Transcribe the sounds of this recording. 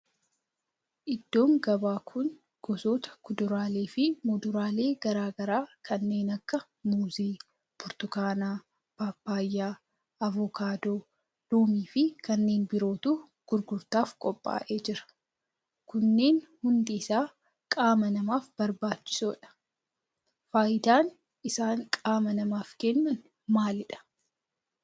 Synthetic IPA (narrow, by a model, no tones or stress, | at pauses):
ʔɪd̪ːo̞ːŋɡɐbaːkʰʊn | ɡ̥ɔso̞ːt̪ɐ̥kʊd̪ʊɾaːleːfɪmʊd̪ʊɾaːle̞ːɡ̥ɐɾaːɡɐɾaːkʰɐnːe̞ːnɐkːɐ | muːzeː | bʊɾt̪ʊkaːnaː | b̥aːpːaːjːaː | ɐvɔkaːd̪oː | loːmiːfɪkɐnːeːnbɪɾo̞ːt̪uː | ɡ̥ʊɾɡʊɾt̪aːfkʼɔpʼːa̰ːʔe̞ːd͡ʒɪɾɐ̥ | kʊnːe̞ːnhʊnd̪iːsaː | kʼaːmɐnɐmaːfb̥ɐɾbaːt͡ʃːɪ̥soːᶑɐ̥ | faːjɪd̪aːn | ɪsaːŋkʼaːmɐnɐmaːfkenːɐn | maːlɪᶑɐ̥